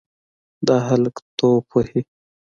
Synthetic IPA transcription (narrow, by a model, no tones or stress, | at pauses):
d̪ɑɦalkt̪oːpʰohi